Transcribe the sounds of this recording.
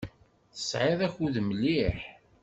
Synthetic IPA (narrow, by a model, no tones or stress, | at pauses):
θə̥sʕɪðˤæçuðmlːiħ